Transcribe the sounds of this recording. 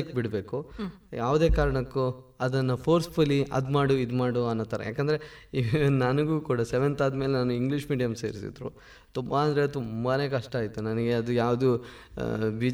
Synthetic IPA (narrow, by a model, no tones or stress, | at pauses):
kbiɽbe̞ːkujaːʋd̪e̞ːkaːɾɐɳɐkːu | ɐd̪ɐnːɐpʰoːɾspuliʔɐ̰d̪maːɽuid̪maːɽuɐnːoːt̪ːaːɾɐ̰ja̰ːkɐnd̪ɐɾeinɐnɐɡuːkuːɽɐseʋent̪aːd̪meːlenaːnuiŋɡliʂmiːɖijɐmseːɾsḭd̪ɾṵ | t̪umbaɐnd̪ɾe̞t̪umbɐneːkɐʂʈɐaːjit̪unɐnɐɡe̞ɐd̪ujaːʋd̪u | biːd͡ʒ